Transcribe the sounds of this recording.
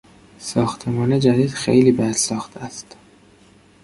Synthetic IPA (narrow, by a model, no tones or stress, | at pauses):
sɒːxt̪ʰemɒːned͡ʒæd̪iːd̪̥xḛjliːbæd̪sɒːxt̪ʰæst̪